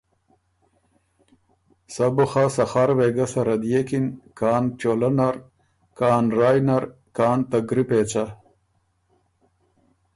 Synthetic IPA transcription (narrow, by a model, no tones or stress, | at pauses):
sɐbuxasɐxaɾweɡasɐɾɐd̪jekinkaːnt͡ɕolɐnaɾ | kaːnɾaːjnaɾ | kaːnt̪aɡɾipeːt͡ɕa